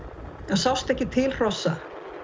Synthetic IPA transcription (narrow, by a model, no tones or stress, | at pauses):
ɛnsawst̪ɛhcːɪt̪ʰɪlr̥ɔsːa